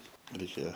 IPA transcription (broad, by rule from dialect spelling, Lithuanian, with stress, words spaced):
rʲɛɪˈkʲeːjɛ